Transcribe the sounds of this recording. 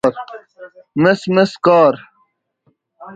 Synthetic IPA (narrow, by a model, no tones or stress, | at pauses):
ɾ | mesmeskɑːɾ